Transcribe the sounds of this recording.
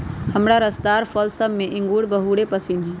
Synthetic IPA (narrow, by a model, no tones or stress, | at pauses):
hɐmɽaɾɐst̪aːɾfɔːlsəmːẽʔɪ̃ŋɡuːɽbəɦuːɽepɐsinɦɛː